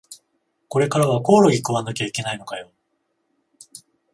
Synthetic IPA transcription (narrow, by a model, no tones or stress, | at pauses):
ko̞ɾe̞kaɾaβako̞ːɾo̞ɡʲikɯβanakʲeaike̞naino̞kajo̞